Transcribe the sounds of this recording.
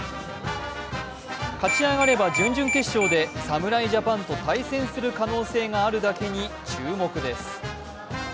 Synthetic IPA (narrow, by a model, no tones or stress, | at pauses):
kat͡ɕiaɡaɾe̞bad͡ʑɨ̃ɲd͡ʑɨ̃ŋke̞ɕːo̞ːd̪e̞samɯ̟ɾaiʑapãnt̪o̞t̪aisẽ̞ɰ̃sɨɾɯ̟kano̞ːse̞ːŋaːɾɯ̟d̪ake̞ɲ̟it͡ɕɨːmo̞kɯ̟d̪e̞sɨ̥